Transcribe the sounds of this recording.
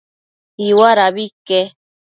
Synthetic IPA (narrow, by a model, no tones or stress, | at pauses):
iwaɾaβike